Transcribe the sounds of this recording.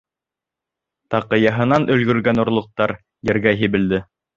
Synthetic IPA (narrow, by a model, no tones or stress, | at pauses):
t̪ɑqɤ̆jɑɦɤ̆nɑnʔɵ̆lɡɵ̆ɾɡænŏɾlˠŏq̚t̪ɑɾ | jɘ̆ɾɡæɦĭβɘ̆ld̪ɘ